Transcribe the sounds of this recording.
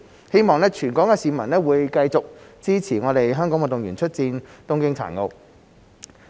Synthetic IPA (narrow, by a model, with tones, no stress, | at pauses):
he˥jmɔː˨˩ŋlɛː˥t͡ʃʰyː˨˩nkɔː˨˥ŋkɛː˧siː˨˧mɐ˨˩nlɛː˥wuː˨˧jkɐ˧jt͡sʊ˨k̚t͡siː˥t͡sʰiː˨˩ŋɔː˨˧t̪e˨jɦœː˥ŋkɔː˨˥ŋwɐ˨˩t̪ʊ˨ŋjyː˨˩nt͡ʃʰɵ˥t̚t͡siː˧nt̪ʊ˥ŋkɪ˥ŋt͡sʰa̰ː˨˩nŋo˧w